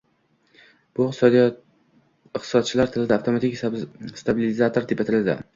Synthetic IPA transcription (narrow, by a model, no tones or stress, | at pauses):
b̥ʊɪq̪sɒd̪ij | ɪqt̪ʰɪ̥sɒt̪̚t͡ʃʰɪlaɾt̪ʰɪlɪd̪aft̪ʰo̞mat̪ʰɪkʲst̪abɪlɪzat̪ʰoɾt̪ʰɪpat̪ʰɪld̪ɪ̰